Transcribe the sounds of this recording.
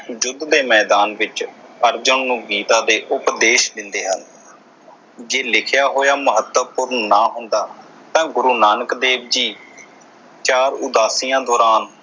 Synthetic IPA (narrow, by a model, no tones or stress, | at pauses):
d͡ʒʊd̪ːeːmɛːd̪aːnʋɪt͡ʃəɾd͡ʒəɳnũːɡiːt̪ãːd̪eːʔʊpd̪eːʃd̪ɪnd̪eːɦən | d͡ʒeːlɪkʰɪjaːɦoːjaːməɦət̪ːəpʊɾnːaːɦʊ̃nd̪aː | t̪ãːɡʊɾuːnaːnəkd̪eːbd͡ʒiː | t͡ʃaːɾʊd̪aːsiːjãːd̪ɔːɾaːn